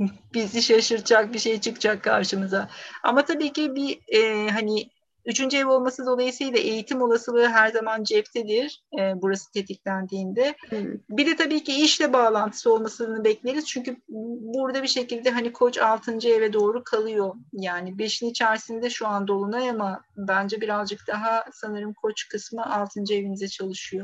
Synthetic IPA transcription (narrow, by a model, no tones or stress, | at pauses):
b̥iziʃaʃɯɾt͡ʃak̚biʃe̞jt͡ʃʰɯkt͡ʃʰakʰːa̰ɾʃɯmɯzaa̰mat̪ʰabiːcibiɛːɦani | yt͡ʃʰynd͡ʒevo̞lˠmasɯd̪o̞lˠajɯsɯjlˠaʔe̞jit̪ʰimo̞lˠasɯlˠɯːɦæɾzamand͡ʒɛpt̪ʰɛd̪iɾ̥ɛːbuɾasɯ̥t̪ʰe̞t̪ʰiclʲænd̪iːnd̪ɛbid̪ɛt̪ʰabiːciiʃlʲɛbaːlˠant̪ʰɯ̥sɯo̞lˠmasɯɯnɯbɛclʲejeɾiz̥t͡ʃʰyɲcybuɾd̪abiʃe̞cilʲd̪ɛɦanikʰo̞t͡ʃalˠt̪ʰɯnd͡ʒaevɛd̪o̞ːɾukʰalˠɯjo̞jaːnibe̞ʃinit͡ʃʰæɾsind̪ɛʃuand̪o̞lˠunajamabænd͡ʒɛbiɾazd͡ʒɯk̚d̪̥aɦasanɯɾɯmkʰo̞t͡ʃkʰɯsmɯalˠt̪ʰɯnd͡ʒaevinizɛt͡ʃʰalˠɯʃɯjo